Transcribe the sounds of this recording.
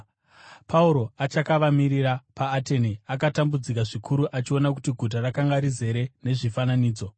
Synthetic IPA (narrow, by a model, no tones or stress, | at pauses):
pʰauɾo̞at͡ʃakaʋamiɾirapaːte̞niakatambud͡zik̬aʐikʰuɾuʔat͡ʃio̞nak̬utiɡʱut̬arakaŋɡaɾize̞ɾe̞ne̞ʐifananiːd͡zo̞